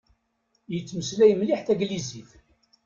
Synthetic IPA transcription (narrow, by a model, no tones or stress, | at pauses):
jət͡sːməslæjəmliħθæɡliziθ